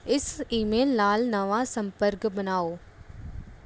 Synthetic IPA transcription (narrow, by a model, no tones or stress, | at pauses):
ɪsiːmeːlnaːlnəʋaːsə̃mpəɾkbənaːoː